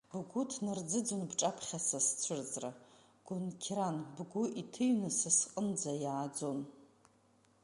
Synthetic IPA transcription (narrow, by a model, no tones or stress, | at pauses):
bɡʷʊtʰnɨrd͡zɨd͡zonbʈ͡ʂʼapʰχʲasast͡sʷʰɨrd͡zra | ɡ̥ʊnkʲʰranbɡʷʊʔitʰɨɥnasasqʼənd͡zajaːd͡zo̞n